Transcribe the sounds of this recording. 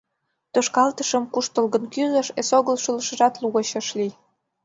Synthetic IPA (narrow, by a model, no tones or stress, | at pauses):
t̪oʃkɑlt̪əʃəmkuʃt̪əlɣə̆nkyzə̆ʃesoɣəlʃuləʃə̆ʒɑt̪luɣəɕə̆ʃlij